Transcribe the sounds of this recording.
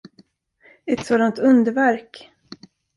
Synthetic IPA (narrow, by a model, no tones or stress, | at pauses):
ɛt̪soːd̪ant̪ɵnd̪əvæɾk